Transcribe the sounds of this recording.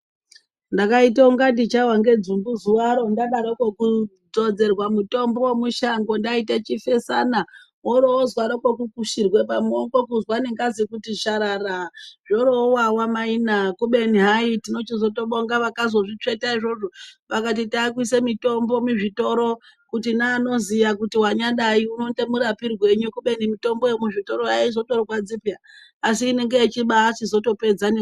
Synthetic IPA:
ndakaitauŋɡadit͡ʃawaŋɡe̞d͡zumbuzuwaɾo̞ndaɗaɾokwoku | d͡zo̞d͡ze̞rwamuto̞mbowmuʃaŋɡo̞ndaitet͡ʃife̞sana | oɾoːzwaɾokwokukuʃirwe̞pamokokuzwaneŋɡazikutiʃaɾaraʐoɾoowawamainakuɓe̞niɦaitino̞t͡ʃizo̞toɓoŋɡaʋakazoʐit͡ʂe̞taiʐo̞ʐo̞ʋakat̬itaːk̬wisemito̞mbo̞muʐito̞ɾo̞ | kutinaːno̞zijakutiwaɲaɗaiuno̞ntemuɾapirwe̞ɲukuɓe̞nimito̞mbo̞jemuʐito̞ɾo̞jaizo̞to̞rowad͡zipijaː | siːne̞ŋɡeit͡ʃiɓaːt͡ʃizo̞to̞pe̞d͡zane

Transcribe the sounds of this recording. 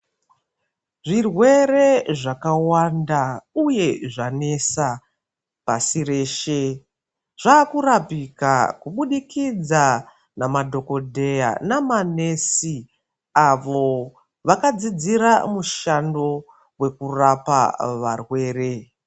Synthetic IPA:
ʐirwe̞ɾe̞ʐakawandauje̞ʐane̞sa | pasire̞ːʃe̞ | ʐ̥aːkurapika̰kuɓuɗikid͡za | namadʱo̞ko̞dʱe̞ja̰namane̞si | aʋo̞ | ʋakad͡zid͡ziɾamuʃando̞ | we̞kurapa̰ʋarwe̞ːre̞

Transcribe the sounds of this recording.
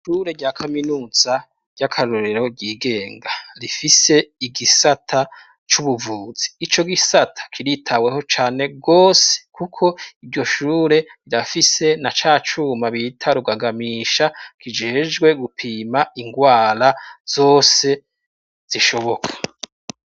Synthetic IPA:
ʃuːɾe̞ɟakʰaminuːz̥a | ɟ̥akʰaɾoɾeɾo̞ɟiːɡe̞ːŋɡaɾifise̞iɡisatʰa | t͡ʃuβuvuːz̥i̥ːt͡ʃo̞ɡisatʰḁkʰiɾitʰawe̞ɦo̞t͡ʃaːne̞ɡo̞ːse̥kukʰo̞ivɟo̞ʃuːɾe̞βiɾafise̞nat͡ʃaːt͡ʃumaβitʰaɾuɡaɡamiːʃakʰid͡ʒe̞ːd͡ʒɡwe̞ɡupʰiːmaiŋɡwaːɾaz̥o̞ːse̞ | z̥iʃo̞βo̞kʰḁ

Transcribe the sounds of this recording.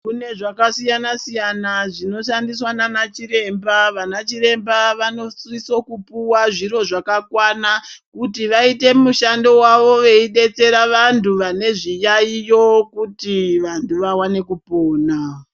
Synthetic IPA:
kune̞ʐakasijanasijanaʐino̞ʃandiswananat͡ʃire̞mbaʋanat͡ʃiɾe̞mbaʋano̞sriso̞kupuwaʐiɾo̞ʐakakwanakutiʋaite̞muʃando̞waʋo̞ʋe̞iɗe̞t͡se̞ɾaʋantʰuʋane̞ʐijaijo̞kutiʋantʰuʋawane̞kupo̞ːna

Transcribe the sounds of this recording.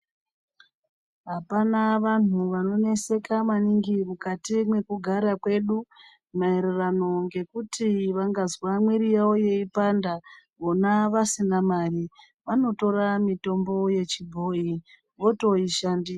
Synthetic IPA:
ɦapanaʋan̤uʋano̞ne̞se̞kamaniŋɡimukatimwe̞kuɡʱaɾakwe̞ɗu | maeɾerano̞ŋɡe̞kutʰiʋaŋɡazwamwirijaoje̞ipanda | ʋo̞naʋasinamari | ʋano̞to̞ramito̞mbo̞je̞t͡ʃibʱo̞ːi | ʋo̞to̞iʃandia

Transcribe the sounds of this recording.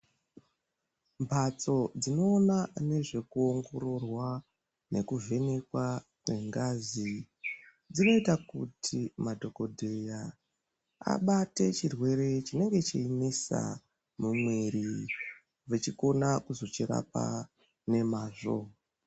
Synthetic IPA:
mbʱat͡so̞d͡zino̞ːnane̞ʐe̞kuoŋɡo̞ɾo̞rwa | ne̞kuve̞ne̞kwa | kwe̞ŋɡazi | d͡zino̞itakutʰimadʱo̞ko̞dʱeja | a̰ɓate̞t͡ʃirwe̞ɾe̞t͡ʃine̞ŋɡe̞t͡ʃiinisa̰ | mumweɾi | ʋet͡ʃiko̞nakuzo̞t͡ʃiɾa̰p̚a̰ | ne̞maːʐo̰

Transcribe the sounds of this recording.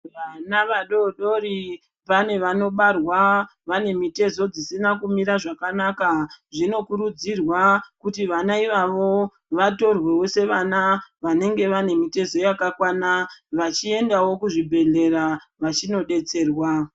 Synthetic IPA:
ʋanaʋaɗo̞ɗo̞ɾi | pane̞ʋano̞ɓarwaʋane̞mite̞zo̞d͡zisinakumiɾaʐakanakaʐino̞kuɾud͡zirwakutiʋanaiʋaʋo̞ | ʋato̞rwe̞wo̞se̞ʋanaʋane̞ŋɡe̞ʋane̞mite̞zo̞jakakwanaʋat͡ʃie̞ndawo̞kuʐibʱe̞ɮe̞ɾa | ʋat͡ʃino̞ɗe̞t͡se̞ːrwa

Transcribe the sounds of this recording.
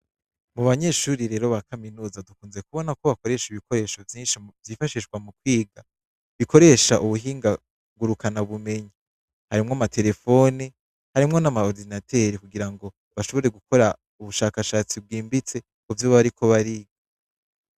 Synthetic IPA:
muβaɲe̞ʃuːɾiɾe̞ːɾo̞βakaminuːzadukuːnze̞kuβo̞nakoβako̞ɾe̞ʃiβikʰo̞ɾe̞ːʃovjiːnʃivjiːfaʃiʃɡwamukwiːɡa | βikʰo̞ɾe̞ʃaʔuβuɦiːŋɡa | ɡuɾukanaβume̞ɲi | haɾimŋamatʰe̞ɾe̞fo̞ni | haɾimŋo̞namaoɾdinatʰe̞ɾikuɡiɾaŋɡo̞ | βaʃo̞βo̞ɾe̞ɡuko̞ɾa | uβuʃaːkaʃaːt͡sib̚ɡiːmbit͡se̞ | kuvjoβaβaɾikʰo̞βaɾiɡa

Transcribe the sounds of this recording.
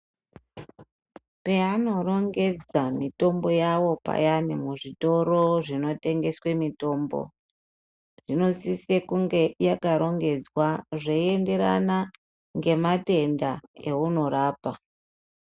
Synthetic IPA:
pe̞ano̞ro̞ŋɡe̞d͡zamito̞mbo̞jawo̞pa̰janimuʐito̞ɾo̞ʐino̞te̞ŋɡe̞swe̞mito̞ːmbo̞̰ | ʐ̥ino̞sisekuŋɡe̞jakaɾo̞ŋɡe̞d͡zwaʐeiende̞ɾa̰na | ŋɡe̞mate̞ndae̞uno̞ɾaːpa

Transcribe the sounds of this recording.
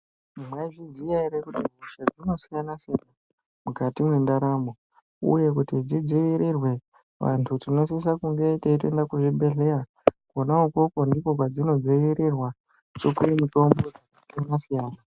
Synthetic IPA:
mwaiʐizijaiɾekutiruʃad͡zino̞sijanasjana | mukatimwe̞ndaɾamo | ṵje̞k̬utid͡zid͡ziʋiɾirwe̞ | ʋa̰ntʰutino̞s̬is̬akuŋɡeiteite̞ndakuʐibe̞ɮe̞ra | konauko̞ko̞ndikok̬wad͡zino̞d͡ziʋiɾirwa | t͡ʃo̞kujemuto̞mbo̞d͡zikasijanasijaːna

